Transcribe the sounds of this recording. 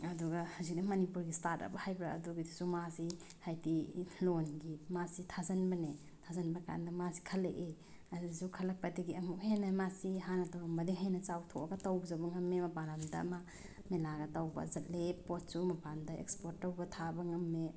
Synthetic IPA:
ɐduɡahawzik̚dimɐnipuɾɡistatɐ̰bɐhajbɾa̰ːduɡidisumasi | hajtilonɡimasitʰazɐnbɐne | tʰazɐnbɐka̰ndɐmasi̥kʰɐlːeʔe | azidisukʰɐlɐk̚pɐtiɡiɐmukhenɐmasiɦanɐtawɐmbɐdiɦajnɐt͡ʃawtʰoaɡɐtawbzɐwbɐŋɐmːemɐpanamdɐ̰ma | melaɡɐtawbɐ̰zɐt̚lepot̚sumɐpandaḛkspoɾtːawbɐtʰabɐŋɐmːe

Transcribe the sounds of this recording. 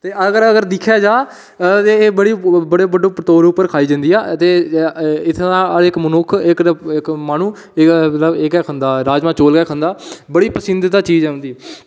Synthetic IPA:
t̪eːəɡəɾəɡəɾd̪ɪkʰjaːd͡ʒaː | t̪eːeːbəɽiːbəɽeːbəɖoːpt̪oːɾʊpːəɾkʰaːiːd͡ʒãnd̪iːaːt̪eː | ɪt̪ʰːãːəɪkmənʊkʰɪkɪkmaːnuː | mət̪ləbekɛːkʰõnd̪aːɾaːd͡ʒmãːt͡ʃoːlkɛːkʰə̃nd̪aːbəɽiːpəsɪnd̪ɪt̪aːt͡ʃiːd͡ʒɛːɦʊ̃nd̪iː

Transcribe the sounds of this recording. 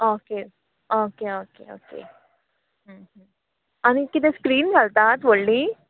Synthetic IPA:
oːke | oːkeoːkḛo̰ːkḛ | ɦɦ | anikid̪eskɾiːnɡɐlt̪at̪ʋoɭːi

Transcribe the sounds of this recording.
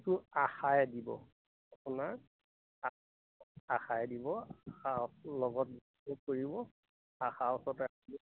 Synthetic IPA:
tʊaxajdibɔ̰ | apunaɹ | a | axajdibɔaxaɔslɔɡɔt̚bi | ukoɹibɔ | axaɔsɔtakɔn

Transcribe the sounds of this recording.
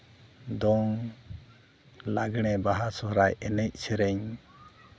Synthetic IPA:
d̪ɔŋ | laɡɽ̃ɛbaɦasɔɾajɛnɛc̚sɛɾɛɲ

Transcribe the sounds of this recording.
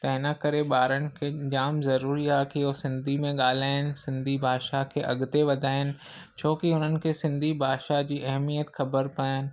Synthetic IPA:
t̪ɐɪnəkɐɾeɓaːɾənɪ̆kʰed͡ʑaːmzɐɾuːɾiaɦkiɦosɪ̃nd̪ʱimẽɠaːl̤aːɪnɪ̆sɪ̃nd̪ʱibʱaːʃakʰeʔɐɡt̪eʋɐd̪ʱaːɪnɪ̆ | t͡ɕʰoːkiʊn̤ənɪ̆kʰesɪ̃nd̪ʱibʱaːʃad͡ʑiːʔɛɦmijət̪xɐbəɾpaːjɪnɪ̆

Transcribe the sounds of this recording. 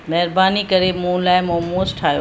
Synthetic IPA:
mɛɦɾbaːnikəɾemũːlaːmoːmõːsʈʰaːjoː

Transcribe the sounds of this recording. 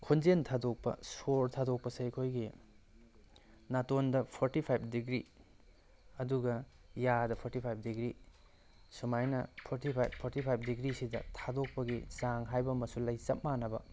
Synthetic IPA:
kʰund͡ʒentʰadok̚pɐ̰soɾtʰadok̚pɐsɐjkʰojɡi | natondɐpʰoɾtipʰajp̚ʰdiɡɾi | ɐduɡɐ | jadɐpʰoɾtipʰajp̚ʰdiɡɾi | sumajnɐ̰pʰoɾtipʰajbpʰoɾtipʰajp̚ʰdiɡɾisidɐ̰tʰadok̚pɐɡisaŋɦajbɐmɐsulɐjsɐp̚manɐbɐ̰

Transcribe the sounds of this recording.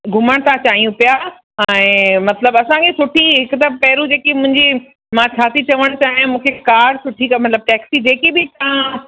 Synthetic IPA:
ɡʱʊməɽ̃t̪ʰãt͡ɕaːɦijũpija | ɛ̃ːmɐt̪ləbɐsãkʰesʊʈʰiɦɪkʊt̪ɐpɛɦɾũd͡ʑeːkimʊ̃ɦɪ̃ɲd͡ʑi | mãt͡ɕʰaːt̪ʰit͡ɕɐʋəɽ̃t͡ɕaːɦɪ̃mũːkʰekaːɖsʊʈʰikmɐt̪ləb̚ʈɛːksid͡ʑeːkibɪt̪aã

